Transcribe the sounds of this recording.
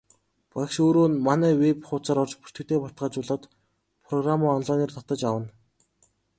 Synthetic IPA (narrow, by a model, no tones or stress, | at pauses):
pakʃoːɾoːnmanæːwepχʊːt͡saːɾɔrt͡ɕpu̥r̥t̪ɘ̆k̚t̪eːpɔr̥t̪ɢaːt͡ɕʊɮɔ̆ːt̪ | pʰrɔɣramɔːɔnɮɔːniːrt̪ʰɔt̪ə̆t͡ɕawə̆n